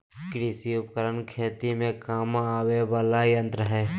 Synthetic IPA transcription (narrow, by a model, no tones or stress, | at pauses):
kɾɪsiʊpəkəɾənkʰeːt̪imẽkaːmaːwebaːlajə̃nt̪ɾəɦɛː